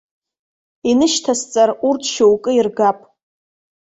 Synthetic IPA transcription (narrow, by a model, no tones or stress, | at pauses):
inɨʃtʰast͡sʼarurtʰʃowkʼɨirɡapʼ